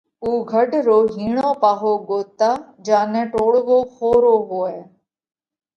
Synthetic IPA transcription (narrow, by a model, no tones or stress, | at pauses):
uːɡʱəɖɾoːɦiːɳõːpaːɦoːɡoːt̪aː | d͡ʒaːnɛ̃ːʈoːɽʋoːxoːɾoːɦoːɛː